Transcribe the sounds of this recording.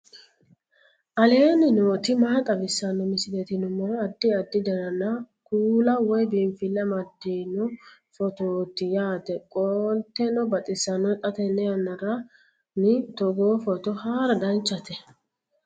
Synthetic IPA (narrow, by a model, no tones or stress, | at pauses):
ʔɐle̞ːnɪnoːt̪ɪmaːt̪ʼɐbɪsːɐnːɔmɪsɪd̪ɛt̪ɪnʊmoːɐd̪ːɪɐd̪ːɪd̪ɐɾɐnɐ | kuːlɐwɔjbiɱfɪlːɐmɐd̪ːiːnɔ | fɔt̪oːt̪ɪjaːt̪ɛkʼoːlt̪ːɛnɔbɐt̪ʼɪsːɐnɔt̪ʼɐt̪ɛnːɛɐnːɐɾɐ | nɪt̪ɔɡoːfɔt̪ɔhaːɾɐd̪ɐnt͡ʃːɐt̪ɛ